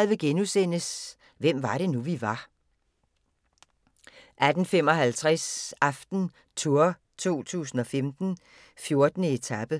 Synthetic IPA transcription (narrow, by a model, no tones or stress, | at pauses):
ʋe̝ɡ̥enusen̰əs | ʋem̰ʋɑ̈ɾ̥e̝nuʋiʋɑ̈ | ʔæd̥n̩fem̰ɒ̽ɦælt͡sʰʁæsɑfd̥n̩ | t͡sʰuɐ | t͡sʰo̝̰ːt͡sʰṵːs̬n̩ɒ̽femd̥n̩ | fjo̝ɐd̥nəe̝t͡sʰæb̥ə